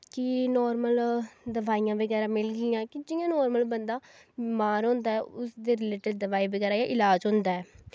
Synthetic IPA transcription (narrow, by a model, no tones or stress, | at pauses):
kɪnɔːɾməld̪əʋaːijãːbəɡɛːɾãːmɪlɡɪjãːkɪd͡ʒɪjãːnɔːɾməlbənd̪ãː | maːɾɦõːnd̪aːɛːʊsd̪eːɾɪleːʈəɖd̪əʋaːiːbəɡɛːɾaːjaːʔɪlaːd͡ʒɦʊ̃nd̪aːɛː